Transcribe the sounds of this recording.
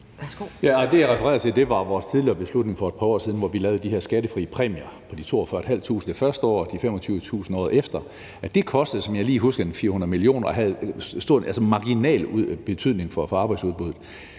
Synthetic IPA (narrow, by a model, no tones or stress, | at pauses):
jæɒd̥e̝jɑʁɛfəʁɛ̰ːɐðˠt͡sʰe̝ld̥e̝ʋɑ̈ʋɒːst͡sʰiðˠliɐːb̥e̝slud̥ne̝ŋfɒ̽e̝̥pʰɑ̈ɒ̰ːsið̞ˠnʋɒʋilɛːʊð̞̩ˠd̥iheɐsɡ̥æɾəfʁḭːəpʰʁɛ̰ːmiɐpʰɒ̽d̥it͡sʰo̝̰ːɒfɶɐed̥ɦæl̰t͡sʰṵːsn̩efɶɐsd̥əɒ̰ːd̥ifemɒ̽t͡sʰyːʊʋət͡sʰṵːsn̩ɒ̰ːðˠefd̥ɐ | ʔæd̥e̝kʰɒ̽sd̥əð̩ˠsɒ̽mjɑ̈ɪliːɦusɡ̥ɐenfiːɐhunðˠmilio̝̰ːnɐɒɦæð̩ˠsd̥o̝ɐ̰ʔælsəmɑ̈ɡ̥inɛ̰ːlb̥e̝t͡sʰyðˠne̝ŋfɒfɒɑ̈ːb̥ɑ̈ɪdsuðˠb̥uð̩ˠ